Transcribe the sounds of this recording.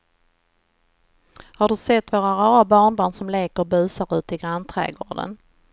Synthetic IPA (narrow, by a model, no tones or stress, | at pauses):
haɖɵsɛt̪ːvoːɾaɾɑːabɑːɳbɑːɳsɔmleːkəɾbʉ̟ːsaɾʉ̟ːt̪əɪɡɾant̪ʰɾɛ̰ːɡo̰ːɖə̰n